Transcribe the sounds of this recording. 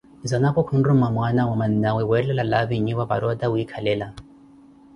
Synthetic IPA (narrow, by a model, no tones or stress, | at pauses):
zanakɔkʰundumamwanawamaninawɛwɛlɛlalaβiɲiβaβa̰ɾɔd̪awuikʰalɛla